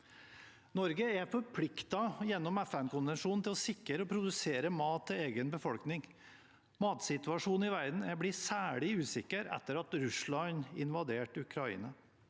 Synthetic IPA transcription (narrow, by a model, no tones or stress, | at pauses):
nɔɾɡəæfɔɾpʰlɪkt̪ɑjɛnːɔmæfænkʊnʋɛnʂuːnn̩t̪ʰɪlɔsɪkːəɾəɔpʰɾʊd̪ʉseːɾəmɑːt̪ʰːɪleːɡənbəfɔlknɪŋ | mɑːt̪sɪt̪ʉɑʂuːn̩ɪʋæɾd̪n̩æbliːsæːɭɪʉːsɪkːəɾɛ̰t̪ːəɾɑt̪ɾʉslɑɲɪ̰nʋɑd̪eːʈʉkʰɾɑḭːnɑ